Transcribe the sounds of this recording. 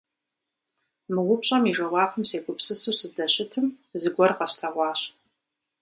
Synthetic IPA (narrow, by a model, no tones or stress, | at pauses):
mɨwʊpɕʼɐmiʒɐwɑːpʰɨmseːɡʷʊpsɨsuːsɨzdɐɕɪtʰɨm | zɨɡʷɔrqɐstʰɐʁʷɑːɕ